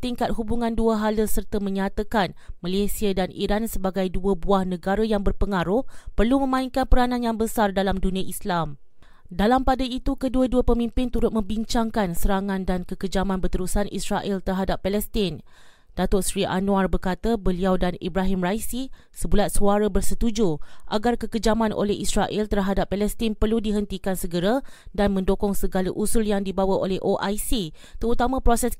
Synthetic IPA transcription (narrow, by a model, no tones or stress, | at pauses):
t̪iŋkat̪̚hubuŋãnduaɦaləsərt̪əmə̃ɲat̪akanmalesiadanḭɾansəbaɡajduəbuahnə̃ɡaɾəjaŋbərpəŋaɾʊhpərlumə̃mãiŋkanpəɾanãnjaŋbəsardalamdunĩaʔislam | dalampadait̪ukəduəduapəmĩmpɪnt̪uɾʊt̪̚mə̃biɲt͡ʃaŋkansəɾaŋãndankəkəd͡ʒamãnbərt̪əɾusanʔḭsɾaʔɛlt̪ərɦadapːɛlɛst̪ɪn | d̥at̪ʊtsɾiʔa̰nũarbərkat̪abəliawdanḭbaɦimrajsi | səbulat̪̚suaɾabərsət̪ud͡ʒuʔa̰ɡarkəkəd͡ʒamãnʔo̰lɛɦisɾaʔɪlt̪ərɦadapːalɛst̪ɪnpərludiɦənt̪ikansəɡəɾa | danmə̃ndokɔŋsəɡalaʔusʊljaŋdibawaʔolɛhʔoʔajsi | t̪əɾut̪amãpɾosɛs